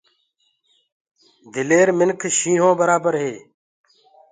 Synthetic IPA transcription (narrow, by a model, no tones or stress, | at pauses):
d̪ɪleːɾmɪnkʰʃĩːɦõːbəɾaːbəɾɦeː